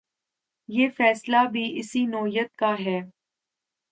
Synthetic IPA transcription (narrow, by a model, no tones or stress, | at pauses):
jeːfɛːslabʱiʔɪsinɔːɦijət̪̚kaɦɛː